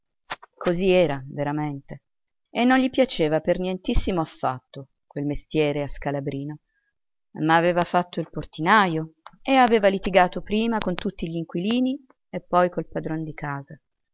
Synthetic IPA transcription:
koziɛːɾaveɾament̪e | enːonʎipjat͡ʃeːvapernjɛnt̪isːimoafːa̰t̪ːo | kwelmest̪jɛːɾeaskalabɾiːno | maːveːvafat̪ːoilport̪inajoeaveːvalit̪iɡaːt̪opɾiːmakont̪ut̪ːiʎiŋkwiliːni | epːɔjkolpad̪ɾond̪ikaːza

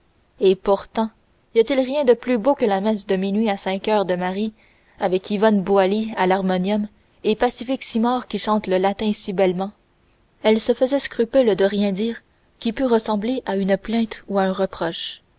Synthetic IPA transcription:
epuʁt̪ɑ̃ | ijat̪ɪlʁjɛ̃d̪əplybokəlamɛsd̪əminɥiasɛ̃kœːʁd̪əmaʁi | avɛkʰivɔnbualialaʁmɔnjɔm | epasifɪksimɑːʁkʲiʃɑ̃ːt̪ləlat̪ɛ̃sibɛlmɑ̃ | ɛlsəfəzɛskʁypyld̪əʁjɛ̃d̪iːʁ | kʲipyʁəsɑ̃bleʔaynplɛ̃t̪uaœ̃ʁəpχɔʃ

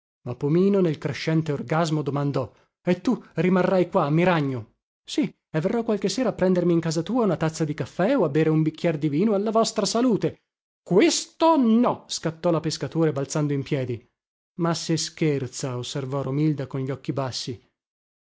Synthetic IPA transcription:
mapːomiːnonelkɾeʃːɛnt̪eorɡazmod̪omand̪ɔ | et̪ːurimarːajkwaːmːiɾaɲːo | si | evːerːɔkwalk̟esːeːɾaːpːɾɛnd̪ermiːŋkaːzat̪uːaunat̪at̪sːad̪ikafːɛoabːeːɾeumbik̟ːjɛrd̪iviːnoalːavɔst̪ɾasaluːt̪e | kwest̪onɔskat̪ːɔlapeskat̪oːɾebalt̪sand̪oimpjɛːd̪i | maseskert̪saosːervɔɾomild̪akonʎɔkːibasːi

